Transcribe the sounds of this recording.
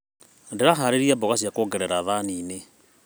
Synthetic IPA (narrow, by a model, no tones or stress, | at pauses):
ndeɾaɦaɾeɾiabɔɣasiakoːɡɛɾɛɾaðaniːne